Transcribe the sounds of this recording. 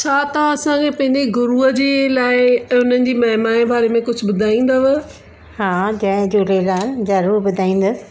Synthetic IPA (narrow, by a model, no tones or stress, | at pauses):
t͡ɕʰaːt̪ɐɐsãkʰepɐ̃ɦɪ̃ɲd͡ʑeɡʊɾuːɦəd͡ʑeːlaːɪʊn̤ənɪ̆d͡ʑiːmɐɦɪmaːẽbʱaːɾemẽkʊd͡ʑʱʊbʊd̪ʱaːĩːn̆d̪əʋ | hãːd͡ʑɐ̃ɪ̃d͡ʑoɾelaːlzɐɾuːɾbʊd̪ʱaːĩːn̆d̪əs